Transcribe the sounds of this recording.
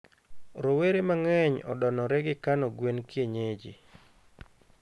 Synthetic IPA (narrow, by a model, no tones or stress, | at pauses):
ɾoweɾemaŋɛɲɔ̰dɔnɔɾɛɡɪkanɔɡwenkjeɲed͡ʒi